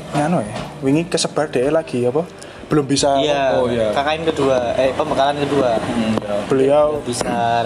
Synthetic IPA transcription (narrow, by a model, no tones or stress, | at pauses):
ŋanoewiŋikəsəb̥a̤rd̥ɛʔɛlaɡ̥iapa | b̥əlʊmbisajajakakaɪnkəduaepəmbəkalankəduaab̥əliawbisa